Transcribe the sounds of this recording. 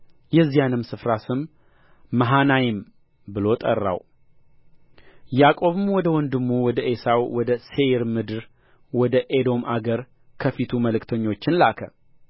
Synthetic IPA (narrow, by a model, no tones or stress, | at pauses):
jɛzːijanɨmsɨfɾasɨmː | əɦanajɪm | bɨlo̞t̪ʼə̰rːa̰w | jakʼo̞βɨmwɔd̪əwɔnd̪ɨmːuwɔd̪əʔe̞sawwɔd̪əse̞ɾmɨd̪ɨɾ | wɔd̪əʔed̪o̞mʔaɡəɾ | kʰəfit̪ʰuməlɨkt̪ʰəɲːo̞t͡ʃːɪnlakʰə̰